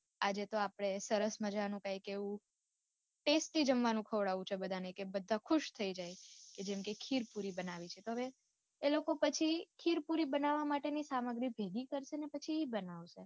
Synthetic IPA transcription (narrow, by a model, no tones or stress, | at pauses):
ad͡ʒet̪oapɽ̃esəɾəsməd͡ʒanũkajkeʋũ | ʈesʈid͡ʒəmʋanũkʰəʋɽaʋũt͡ʃʰebəd̪ʱanəjkebəd̪ʱãkʰʊʃt̪ʰəid͡ʒajked͡ʒemkekʰiɾpuɾibənaʋit͡ʃʰet̪oɦəʋeː | lokopət͡ʃʰikʰiɾpuɾibənaʋamaʈenisaməɡɾibʱeɡikəɾʃenepət͡ʃʰiibənaʋʃe